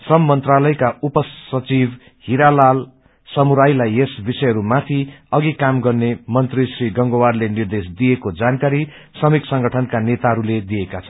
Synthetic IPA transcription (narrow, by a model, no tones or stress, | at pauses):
sʌmːʌnt̪ralʌjkaupʌsʌt͡sib | hiɾalal | sʌmuɾajlajesbisʌjɦʌɾumat̪ʰiʌɡikamɡʌrnemʌnt̪risriɡʌŋɡowarlenird̪esd̪ijekod͡zankaɾi | sʌmiksʌŋɡʌʈʰʌnkanet̪aɦʌɾuled̪ijekat͡sʰʌ̥n